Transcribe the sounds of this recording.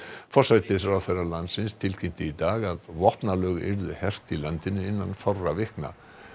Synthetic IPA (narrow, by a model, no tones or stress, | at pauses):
fɔrsajt̪ɪɾawθɛjrːalansɪnst̪ʰɪlcʰɪm̥t̪ɪit̪aːɣaðvɔhp̪nalœɣɪ̰ɾðʏhɛr̥t̪ilant̪ɪnʏɪnːanfarːavɪhkna̰